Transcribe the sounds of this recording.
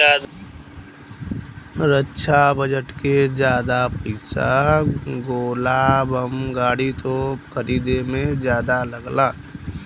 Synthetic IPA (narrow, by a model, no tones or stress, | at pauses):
ad̪ | ɾətːʃʰabəd͡ʒəʈked͡ʒjaːd̪apiɪsa | ɡoːlaːbəmɡaːɽit̪okʰəɾiːd̪emẽd͡ʒjaːd̪aləɡlaː